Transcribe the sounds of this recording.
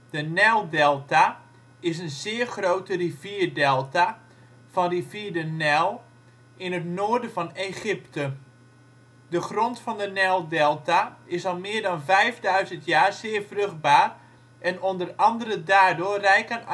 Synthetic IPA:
d̥ənɛlˠdɛlˠta | ɪs̬ənzɪːərxrowtəriviːrdɛlˠta | v̥ɔnriviːɹdənɛlˠ | ʔɪnətnoːrdəvɔneχɪptə | dəχrontfɔndənɛlˠdɛlˠtaɪsɑlˠmɪːɹdɑnvɛjfdœɥzəntjaːɹzɪːəɹfrøxt̚baːr | ʔɛnondərɑndərədaːɹdʊːrɛjkən

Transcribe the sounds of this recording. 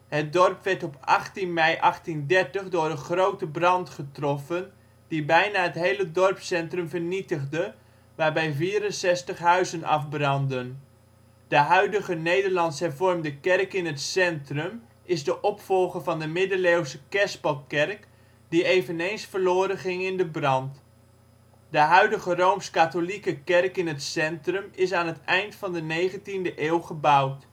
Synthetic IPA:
hɦət̚dɔrpʋɛɹtɔpɑχtinmɛjʔɑχtindɛɹtəχdʊːɹəχrowtəbrɑntχətrɔfən | dibɛjnaɦətɦejlədɔrpsɛntrɵmvəɹnitəχdə | ʋaːɹbɛjviːɾənsɛstəχɦœɥzənʔɑ̰fbrɑndən | d̥əɦœɥdəχənejdəɹlɑntsɦɛɹvɔrmdəkɛrkɪnɦətsɛntrəm | ɪzdəʔɔpfɔlˠχəɹvɑndəmɪdəlewsəkɛspəlˠkɛrk | diejvənejnsfəɹloːɾənχɪŋɪndəbrɑnt | dəɦœɥdəχərowmskatolikəkɛrkɪnɦətsɛntrəmɪs̬aːnɦətɛjntfɑndənejχəntindəʔeːwχəbʌwt

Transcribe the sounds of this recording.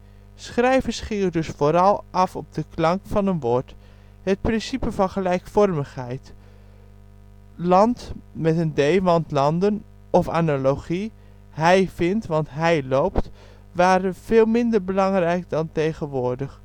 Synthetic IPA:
sχrɛjvəɹsχiːɹdɵsfoːɾɑlˠʔɑfɔb̚dəklɑŋkfɑnənʋoːɹt | ɦət̚prɪnsipəvɑnχəlɛjkfɔrməχɦɛjt | lɑntmɛtəndejʋɑntlɑndən | ɔfa̰ːnaloχi | ɦɛjvɪntʋɑntɦɛjlowpt | ʋaːɾənv̥eːlˠmɪndəɹbəlɑŋrɛjk̚dɑntejχənʋʊːɹdəχ

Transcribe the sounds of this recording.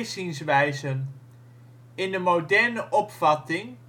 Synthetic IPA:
zɪŋsʋɛjzən | ɪndəmowdɛɹnəʔɔpfɑtɪŋ

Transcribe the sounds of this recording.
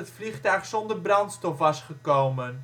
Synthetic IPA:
ətfliχtœɥχsɔndərbrɑntstɔfʋɑsχəkowmən

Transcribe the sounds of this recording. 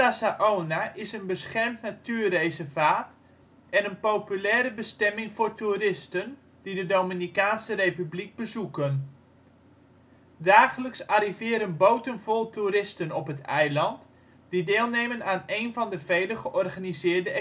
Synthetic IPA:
asaʔoːnaʔɪsənbəsχɛrmtnatyːrejsəvaːt | ɛnənpowpylɛːɾəbəstɛmɪŋvʊːrturɪstən | d̥idədowminikaːnsərejpybliɡ̚bəzukən | daːχələksaɾivɪːɾənbowtənvɔlˠtʰuɾɪstənɔpɦətʰɛjlɑnt | d̥idɪːlˠnejmənaːnejnvɑndəv̥ejləχəʔɔrχanizɪːrdəɛ

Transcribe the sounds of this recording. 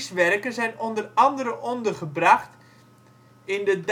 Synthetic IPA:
sʋɛrkənzɛjnɔndərɑndəɾəʔɔndərχəbrɑχt | ɪndəd

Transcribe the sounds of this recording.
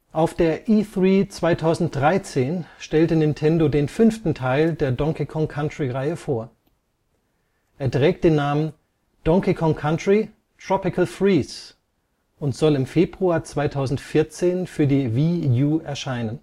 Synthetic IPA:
ʔaʊfd̥eːɐʔiːθʁiːt͡sv̥aɪtʰaʊzn̩t̚d̥ʁaɪt͡seːnʃtɛltənɪntʰɛndodeːnfʏnftn̩tʰaɪldeːɐdɔŋkikʰɔŋkʰantʁ̥iʁaɪəfoːɐ | ʔeːɐdʁɛːk̚t̚d̥eːnːaːmən | d̥ɔŋkikʰɔŋkʰantʁ̥i | tʁ̥ɔpɪkʰəlfʁiːs | ʔʊntz̥ɔlɪmfeːbʁuaːɐt͡sv̥aɪtʰaʊzn̩tfɪɐt͡seːnfyːɐdiːvijuːɛɐʃaɪnən

